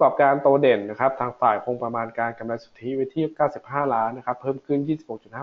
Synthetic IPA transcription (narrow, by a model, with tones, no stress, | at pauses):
kɔː˨˩p̚kaː˧nt̪uː˧de˨˩nːa˦˥kʰa˦˥p̚t̪ʰaː˧ŋfaː˨˩jpʰo˧ŋpɾa˧maː˧nkaː˧nka˧mla˧jsu˨˩t̪ʰːi˦˥we˦˥t̪ʰiː˥˩˧kaː˥˩wsi˨˩p̚haː˥˩laː˦˥nːa˦˥kʰa˦˥pʰːɤː˥˩mkʰɯ˥˩njiː˥˩si˨˩pho˨˩k̚t͡ɕ̪̚haː˥˩